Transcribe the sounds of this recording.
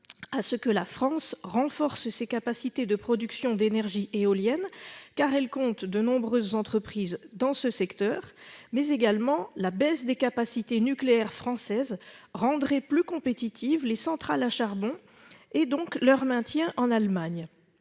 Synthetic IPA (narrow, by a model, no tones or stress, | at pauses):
asəkəlafχɑ̃sʁɑ̃fɔʁssekapasit̪ed̪əpχɔd̪yksjɔ̃d̪enɛʁʒiʔeoljɛnkaʁɛlkɔ̃t̪d̪ənɔ̃bʁøzːɑ̃t̪χəpχizd̪ɑ̃səsɛkt̪œʁmɛzeɡalmɑ̃labɛsd̪ekapasit̪enykleɛʁfχɑ̃sɛzʁɑ̃d̪ʁɛplykɔ̃pet̪it̪ʰivlesɑ̃t̪χalaʃaʁbɔ̃ | ed̪ɔ̃klœʁmɛ̃t̪jɛ̃ʔɑ̃nalmaɲ